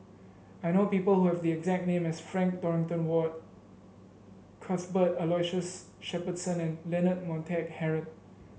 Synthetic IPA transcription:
ajnopiːpəlhuhɛvdiɛɡzɛk̚nẽmɛsfɹɛ̃ŋk̚dɔɹɪ̃ŋtə̃nwɔt̚ | kʰasbətəlɔjʃəs | ʃɛpədsə̃nɛ̃nlɛnət̚mɔ̃ntʰɛk̚hɛɹə̃n

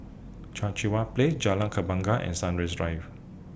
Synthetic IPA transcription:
t͡ʃãnt͡ʃiwapled͡ʒalãŋkʰəbãŋɡaʔɛ̰̃nsãnɹɛsɹajf

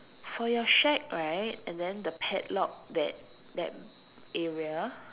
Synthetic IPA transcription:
fɔjɔʃɛk̚ɹaɪt̚ɛ̃ndɛ̃ndəpʰɛtlɔk̚dɛt̚ | dɛ̰t̚ | ɛɹiə

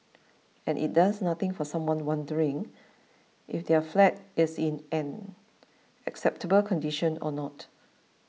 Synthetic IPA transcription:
ɛ̃nʔḭt̚dasnat̪ɪ̃ŋfɔsãmwɔ̃nwãndəɹɪ̃ŋ | ʔifdɛəflɛt̚ɪsĩnɛ̃n | ɛksɛp̚təbəlkʰɔ̃ndiʃə̃nɔ̰nɔt

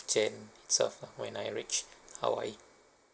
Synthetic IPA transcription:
d͡ʒɛ̃nitsɛ̰fəwɛ̰̃najɹit͡ʃha̰wa̰j

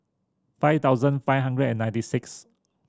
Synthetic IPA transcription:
faɪft̪aʊzə̃nfaɪfɦãndɹədɛ̃nːãj̃ntisɪks

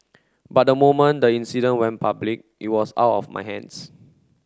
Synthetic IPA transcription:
bat̚dəmomə̃ndəĩnsidə̃nwɛ̃npʰablik̚ʔit̚wɔsa̰wtɔ̰fma̰jɦɛ̰̃ns

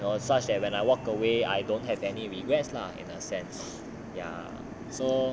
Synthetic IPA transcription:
nosat͡ʃdɛt̚wɛ̃najwɔkəwea̰jdõnt̚ɦɛvɛniɹiɡɹɛtsla̰ḭ̃nəsɛ̃ns | ja̰ | so

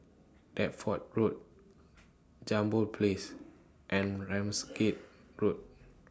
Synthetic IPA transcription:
d̥ɛt̚fɔt̚ɹot̚ | d͡ʒãmbəlpʰles | ʔɛ̃nɹɛ̃msket̚ɹot̚

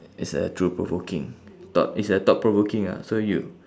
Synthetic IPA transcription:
itsdə̰tʰɹupɹo̰vokĩŋtɔ̰t̚itsdətɔt̚pɹovokĩŋa̰soju

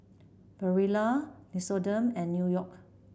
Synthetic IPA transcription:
b̥əɹilanisodə̃mɛ̃nːjujɔk̚

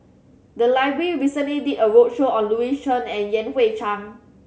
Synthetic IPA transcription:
dəlaɪbɹəiɹisə̃nliditəɹot̚ʃoɔ̃nluiʃə̃nɛ̃njɛ̃nwet͡ʃãŋ

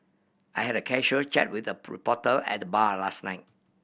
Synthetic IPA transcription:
ʔajhɛɾəkʰɛʃət͡ʃɛ̰t̚wɪθəɹpɔtəlɛ̰t̚dəbalasnaɪt̚

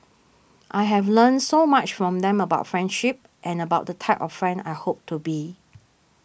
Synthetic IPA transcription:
ʔaɪɦɛvlə̃nsomat͡ʃfɹɔ̃mdɛ̃məbaʊtfɹɛ̃ndʃip̚ | ʔɛ̃nəbaʊt̚dətʰaɪpɔffɹɛ̃nda̰ɪhop̚tʰubi

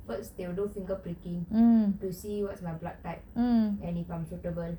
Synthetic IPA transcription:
fəsdewdõnfĩŋkɔpɾikĩŋ̩tusiwɔtsmajblak̚taɪp̩̚ɛ̃nifãmsutəbəl

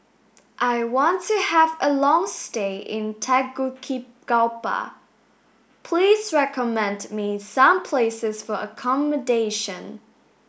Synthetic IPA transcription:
ʔaɪwɑ̃ntʰɨəvəlɔ̃ŋsteɪʔɪ̃ntʰæɡukʰip̚ | ɡ̥alpə̰ | pʰl̥izɹɛkəmɛ̃ndmisʌ̃mpʰl̥eɪsɪz̥fə˞ə̰kʰɑmədeɪʃə̃n

